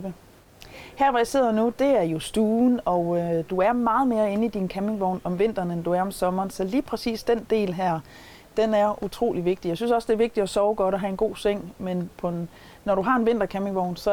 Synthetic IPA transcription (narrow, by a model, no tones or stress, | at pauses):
ə | hæɐ̰ʋæjise̝ð̞̰ˠɐnud̥e̝æɐjo̝sd̥uːnɒ̽d̥uæɐmɑ̈ːð̞̩ˠme̝ːɐe̝n̩id̥inkʰæme̝ŋʋɒʊnɒ̽mʋe̝n̰d̥ɐnend̥uæɐɒ̽msɒ̽mɐːnsɒ̽liːpʰʁɛsḭːsd̥end̥e̝̰ːlɦæɐ̰ | d̥enæɐʔut͡sʰʁo̝̰ːliʋe̝ɡ̥̚d̥ijäɪsynsɒ̽sd̥e̝æɐʋe̝ɡ̥̚d̥i̥ɒ̽sɒʊɡ̥ɒ̽ɾ̥ɒɦæe̝nɡ̥o̝̰ːseŋ̰menpʰɒ̽ː | ɒɾ̥uɦɑ̈e̝nʋe̝n̰d̥ɐkʰæmɪ̝ŋʋɒʊnsɒ̽